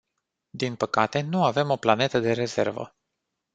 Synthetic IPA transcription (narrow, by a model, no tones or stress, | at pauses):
d̪inpəkat̪e̞nuave̞mo̞plane̞t̪əd̪e̞ɾe̞ze̞̰rvə̰